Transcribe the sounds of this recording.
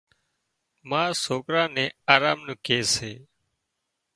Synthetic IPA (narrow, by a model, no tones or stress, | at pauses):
mãːsoːkɾãːnẽːaːɾaːmnũːkeːseː